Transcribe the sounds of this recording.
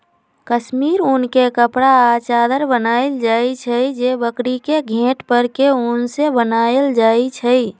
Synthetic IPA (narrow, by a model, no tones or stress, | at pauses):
kəsmiɾunkekəpɽaːt͡ʃaːd̪əɾbənaeld͡ʒait͡ʃʰəjd͡ʒebəkɽikeɡʱẽʈpəɾkeunsebənaeld͡ʒait͡ʃʰəj